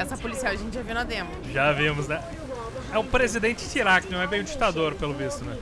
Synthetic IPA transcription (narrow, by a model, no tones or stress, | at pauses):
ɛsɐpolisiawɐʒẽnt͡ʃɪʒavĩwñɐd̪ẽmɐʒavĩmʊznɛ | ɛʊpɾezid̪ẽnt͡ʃɪ̥ʃiɾakɪnɐ̃w̃ɛbẽj̃ʊ̃d͡ʒi̥k̚t̪ad̪oɾpelʊvisʊnɛ̃